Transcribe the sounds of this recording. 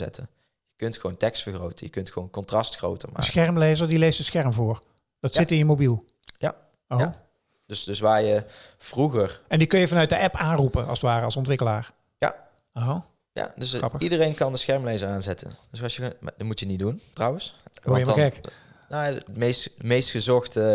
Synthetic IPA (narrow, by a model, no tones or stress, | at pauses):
ɛ̰tʰə | jəkɵntxəʋontɛkstfəɹχrowtənjəkɵntxʋo̰wnkɔntrɑstxro̰wtəma̰əsxɛɹmlejzəɹdilejsdəsxɛɹmvʊːɹ | d̥ɑtsɪtɪnjəmobilˠ | ja̰ | o | døsdøsʋaːɹjəv̥ruɣəɹɛndikɵnjəvɑnœɥt̚dəɛpaːnrupəɑ̰lˠsətʋaːɾəɑlˠsɔntʋɪkəlaːɹ | ja̰ | o | ja̰døsɑpəidərejnkɑndəsxɛɹmlejzəɹaːnzɛtə̰ndøsɑjə̰dtmutjəniduntrɑwənsjəmɛk | noamejstmejstxəzɔxtə